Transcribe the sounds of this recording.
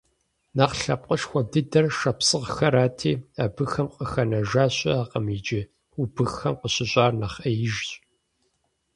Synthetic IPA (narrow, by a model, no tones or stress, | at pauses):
naːqɬɐp̚qʼəʃxʷɔdɨdɐrʃɐpsɨʁxɐɾaːtʰeːaːbɨxɐmqʼəxɐnɐʒaːɕʼɐ̰aːqɐmid͡ʒɪ | ubɨxɐmqəɕɪɕʼaːrnɐχɐjɪʒɕʼ